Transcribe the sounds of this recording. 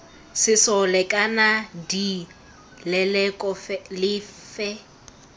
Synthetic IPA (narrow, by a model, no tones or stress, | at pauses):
sɪsɔlɛkʼanadi | lɛlɛkʼɔfɛlɪfɛ